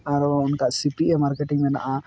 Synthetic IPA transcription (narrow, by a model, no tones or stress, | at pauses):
aɾaunkasipiemaɾkeʈiŋmena̰ʔa